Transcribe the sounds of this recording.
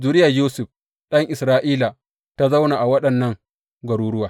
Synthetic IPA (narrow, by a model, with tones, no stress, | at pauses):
zu˦ɾɪ˦ja˨juː˦sʊ˨ɸ | ɗɐ˦ŋʔɪ˨sɾaː˦ʔiː˦la˨ | ta˦za˦wna˨ʔa˨wɐ˦ɗɐ˨nːɐ˦ŋ | ɡʷɐ˨ɾuː˦ɽʊ˦waː˨